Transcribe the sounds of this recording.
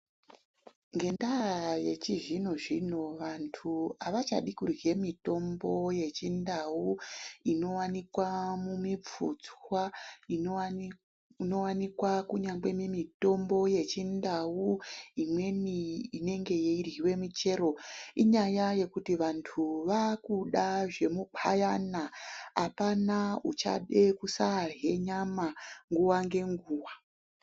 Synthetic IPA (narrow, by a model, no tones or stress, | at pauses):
ŋɡe̞ndaje̞t͡ʃiʐinoʐinoʋantʰuaʋat͡ʃa̰ɗikurje̞mito̞mbo̞je̞t͡ʃindauino̞wanikwamumip͡fṵd͡zwwa | no̞wanikwakuɲaɡ͡be̞mimito̞mbo̞je̞t͡ʃindawuimwe̞niine̞ŋɡe̞jeirɦiwe̞mit͡ʃe̞ɾo̞iɲajaje̞kutiʋantʰuʋakuɗaʐe̞mubʰa̰janaa̰panaut͡ʃa̰ɗe̞kusarɦe̞ɲamaŋɡuwaŋɡe̞ŋɡuːwa